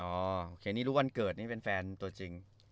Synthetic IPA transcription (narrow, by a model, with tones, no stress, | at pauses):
ʔɔː˧˩˦ʔoː˧kʰeː˧niː˥˩ɾuː˦˥wa˧nkɤː˨˩t̪̚niː˥˩pe˧nfɛː˧nt̪u˧ɐt͡ɕi˧ŋ